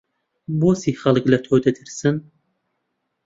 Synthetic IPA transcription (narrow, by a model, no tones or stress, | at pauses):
boːsiːxɐlˠɨklɐt̪ʰoːd̪ɐd̪ɨɾsɨn